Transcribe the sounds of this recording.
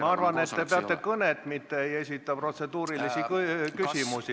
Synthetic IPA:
mɑɑrvɑne̞t̪ːepeɑt̪ːˑe̞kɤnet̪ˑmit̪ːeje̞sʲit̪ːˑɑpro̞t̪se̞d̪̥uːɾilisikkysʲimusi

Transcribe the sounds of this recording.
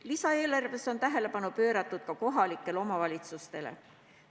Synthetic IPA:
lisɑe̞ːlɑrve̞so̞nt̪æɦe̞le̞pɑnupø̞ːɾɑt̪ːˑud̪̥kɑko̞ɦɑlikːˑe̞lo̞mɑvɑlʲit̪sust̪e̞lḛ

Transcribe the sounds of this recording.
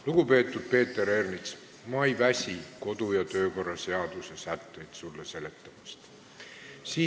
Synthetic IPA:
luɡ̥upe̞ːt̪ːˑud̪̥̚pe̞ːt̪ːˑe̞ɾe̞rnit̪s | mɑejvæsʲiko̞d̪̥ujɑt̪ø̞ːko̞rːɑse̞ɑd̪̥usesæt̪ːe̞jd̪̥sulːese̞le̞t̪ːˑɑmɑst̪ | siː

